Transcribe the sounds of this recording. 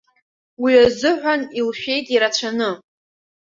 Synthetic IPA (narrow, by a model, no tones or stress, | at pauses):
wiazɨʕʷanilʃᶣe̞jtʼiɾat͡ɕʷʰanɨ